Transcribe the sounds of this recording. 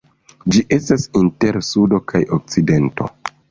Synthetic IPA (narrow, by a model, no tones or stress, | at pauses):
d͡ʒiʔe̞stasinte̞ɾsudo̞kʰajok̚t͡side̞nto̞̰